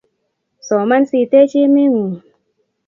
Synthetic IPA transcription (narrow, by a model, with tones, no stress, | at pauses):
sɔ˨˦ma˦˧˨nsiː˧˩t̪e˦t͡ʃi˦mi˦ŋu˨